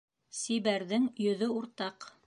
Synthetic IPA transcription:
siβæɾðɘŋjɵ̆ðɵuɾt̪ɑq

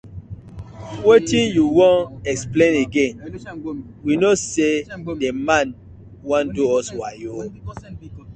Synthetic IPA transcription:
wetĩnjuwõnɛksplẽneɡẽn | winosedemãn | wãnduɔswajo

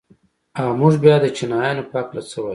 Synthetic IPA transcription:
amuʐbjɑd̪ət͡ʃinajanopaklat͡səwaj

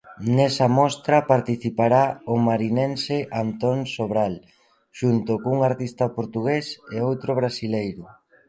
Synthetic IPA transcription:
nɛsɐmɔst̪ɾɐpaɾt̪iθipaɾaʊmaɾinenseʔant̪onsoβɾal | ʃunt̪ʊkouŋaɾt̪ist̪ɐpoɾt̪uɣeseowt̪ɾʊβɾasilejɾʊ

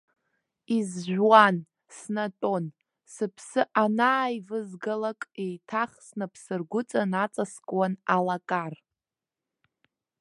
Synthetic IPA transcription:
izʒʷᶣwan | snatʼo̞n | sɨpʰsɨʔanaːjvɨzɡalakʼejtʰaχsnapʰsɨrɡʷʊt͡sʼanat͡sʼaskʼwanalakʼar

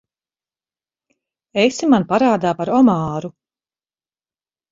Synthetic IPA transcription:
esimanpaɾaːd̪aːpaɾɔmɑːɾu

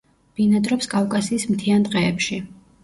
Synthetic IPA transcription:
b̥inad̪ɾɔpskʼavkʼasiːsmt̪ʰiand̪ʼqʼɛːpʃi

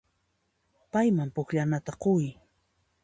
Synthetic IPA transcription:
pajmampʊkʎanat̪aqoj

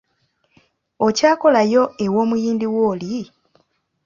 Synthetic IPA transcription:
o̞caːko̞lajo̞e̞wo̞ːmujiːndiwo̞ːli

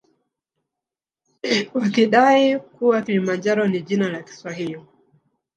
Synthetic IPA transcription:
wakiɗaikuwakilimand͡ʒaɾɔniʄinalaki̥swahili

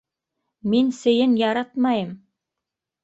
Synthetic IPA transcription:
minsɘ̆jɘnjɑɾɑt̪mɑjɤm

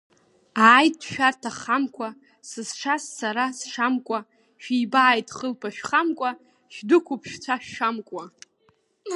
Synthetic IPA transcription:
aːjtʃᶣartʰaχamkʷʰa | sɨsʂassaɾasʂamkʷʼa | ʃᶣibaːjtʼχəlpʰaʃᶣχamkʷʼa | ʃᶣdɨkʷʰʊpʰʂt͡sʷʰaʃᶣʂamkʷʼa

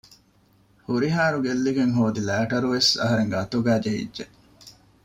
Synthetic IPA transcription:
huɾiɦaːɾuɡelːiɡeŋɦoːd̪ilæːʈɐɾuʋesɐ̰ɦɐɾeŋɡɐt̪uɡæːd͡ʒeḭdʒeʔ

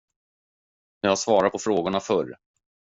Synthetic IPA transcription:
nɛhasvɑːɾat̪̚pʰɔfɾoːɡʊɳafœɾ

